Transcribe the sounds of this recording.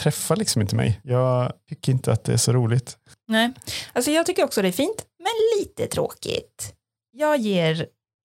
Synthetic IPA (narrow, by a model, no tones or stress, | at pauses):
t̪ʰɾɛfːalɪksɔmɪnt̪əmɛ̰jjɑːɡt̪ʰʏkːəɾɪnt̪əat̪̚d̪ɛ̰æ̰ʂɔɾuːlɪt̪ | nɛːalsɔjɑːɡ̚t̪ʏkːəɾɔksɔd̪ɛæɾfiːnt̪mɛnliːt̪ət̪ʰɾo̰ːkɪ̰t̪ | jɑːɡjeːɾ